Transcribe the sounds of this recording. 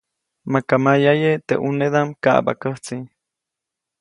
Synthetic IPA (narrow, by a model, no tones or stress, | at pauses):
makamajajet̪ḛʔuneðamka̰ʔba̰kəht͡si